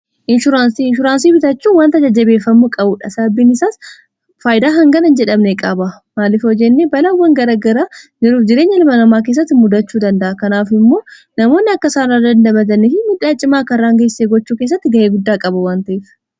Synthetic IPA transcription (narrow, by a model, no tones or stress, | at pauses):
ʔɪnʃʊɾaːnsiɪnʃʊɾaːns̬iːbɪt̪ɐt͡ʃːuːwaːnt̪ɐd͡ʒɐd͡ʒːɐbeːfɐmːʊkʼɐbuːᶑɐsɐɐbːinɪsaːs | faːjɪd̪aːɦɐŋɡɐnɐnd͡ʒɛᶑɐmnɛkʼɐbɐ | maːlɪfɔd͡ʒɛnːebɐlɐwːɐŋɡɐɾaːɡɐɾad͡ʒɪɾuːfd͡ʒɪɾeːɲːɐlɪmɐnɐmaːk̬eːs̬ːɐt̪ːɪmʊd̪ɐt͡ʃːuːd̪ɐnd̪ɐʔɐkɐnaːfɪmːo̞ː | nɐmo̞ːnːɪɐkːɐsaːnːaːd̪ɐnd̪ɐbɐt̪ɐnɪɪmɪᶑaːt͡ʃʼɪmaːkɐrːaːŋɡɐːsːeːɡɔt͡ʃːuːkeːs̬ːɐt̪ːɪɡɐʔeːɡʊd̪ːaːkʼɐbɐwaːnt̪ɐʔeːf